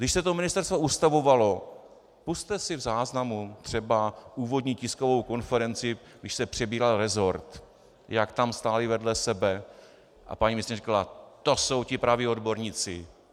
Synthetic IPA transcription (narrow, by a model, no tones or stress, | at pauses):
ɡdɪʃsɛt̪o̞mɪnɪst̪ɛɾst̪vo̞ʔust̪avo̞valo̞ | pust̪ɛsɪvzaːznamut̪r̥ɛbaʔuːvo̞dɲiːcɪsko̞vo̞wko̞nfɛɾɛnt͡sɪ | ɡdɪʃsɛpr̝̥ɛbiːɾalɾɛzo̞ɾt̪ | jakt̪amst̪aːlɪvɛdlɛsɛbɛ | ʔa̰paɲiːmɪst̪ɲrikalat̪o̞so̞wcɪpɾavio̞dbo̞ɾɲiːt͡sɪ̰